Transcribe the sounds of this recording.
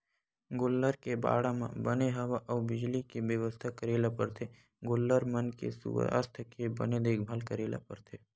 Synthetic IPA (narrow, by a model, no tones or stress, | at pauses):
ɡʊlːəɾkeba̰ːɽamã̰bəneɦɐʋaʔɔːbɪd͡ʒlikebjəʋəst̪ʰakəɾeːlapəɾt̪ʰe | ɡʊlːəɾmənkḛsṵa̰ɾt̪ʰəkebə̰ned̪eːkʰbʱaːlkəɾeːla̰pəɾt̪ʰe